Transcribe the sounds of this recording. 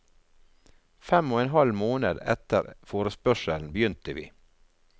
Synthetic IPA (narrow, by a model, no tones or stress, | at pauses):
fɛmoːeːnɦɑlmoːnəd̪ɛ̰t̪ə̰ɾfoːɾəspœʃəln̩bəjʏnt̪əʋḭː